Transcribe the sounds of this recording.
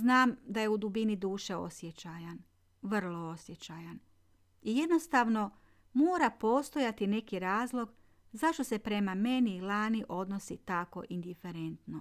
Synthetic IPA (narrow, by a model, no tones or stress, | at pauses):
znaːmd̪aje̞ud̪ubinid̪uːʃe̞o̞̰sjet͡ʃajan | ʋr̩lˠo̞osje̞t͡ʃajan | ije̞d̪no̞st̪aʋno̞ | moːɾapo̞ːst̪o̞jat̪ine̞kiɾaːzlˠo̞ɡ | zaʃt̪o̞se̞pɾe̞mame̞niːlaːniʔo̞d̪no̞sit̪ako̞̰ʔind̪ife̞ɾe̞nt̪no